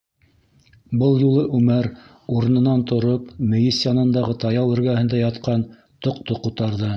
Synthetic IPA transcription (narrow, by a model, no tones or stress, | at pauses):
bɤlˠjulˠɤʔʉmæɾ | uɾ̆nɤ̆nɑnt̪ŏɾopmɘ̆jɘsjɑnɤ̆nd̪ɑʁɤt̪ɑjɑwɘ̆ɾɡæhɘ̆nd̪æjɑt̪qɑn | t̪ŏq̚t̪oqut̪ɑɾðɤ